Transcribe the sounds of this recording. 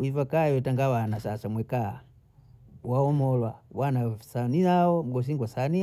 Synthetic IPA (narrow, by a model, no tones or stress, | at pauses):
ivakawɛtaŋɡawanasasamwɛka | waɔmɔlwawanasaniaɔm̩ɡɔs̬iŋɡwasani